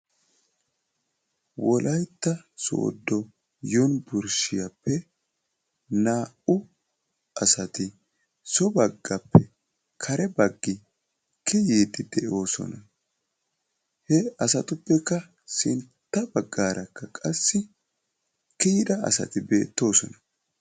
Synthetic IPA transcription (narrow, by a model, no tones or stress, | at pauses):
wɔlʔɐjt̪ːɐso̰ːd̪ːɔ | jonbʊɾʃɪjɐpːɛ | naːʔʊ | ɐsɐt̪ɪ | sɔbɐɡːɐpːɛ | kʰɐɾɛbɐɡːɪ | kʰːɛjiːt̪ɪd̪ɛʔo̞ːsɔ̰nɐ | hɛɐsɐt̪ʊpːɛkːɐ | sɪ̰nt̪ːɐbɐɡːaːɾʔɐkːɐkʼɐsːɪ | kɪjɪd̪ɐɐ̰sɐ̰t̪ɪbe̞ːt̪ːo̞ːsɔ̰nɐ